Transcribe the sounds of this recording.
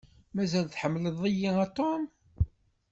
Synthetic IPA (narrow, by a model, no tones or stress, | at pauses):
mæzælθħəmːləðˤijiæt̪ˤːom